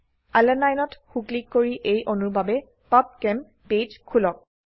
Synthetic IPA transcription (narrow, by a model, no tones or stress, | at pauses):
alɛnajnɔtxuklikːoɹiʔejʔonubabɛ | pap̚kɛm | pejd͡ʒkʰulɔk̚